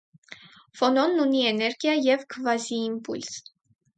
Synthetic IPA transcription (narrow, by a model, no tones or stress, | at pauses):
fɔnɔnːuniɛnɛɾɡjɑjɛvkʰəvɑziːmpuls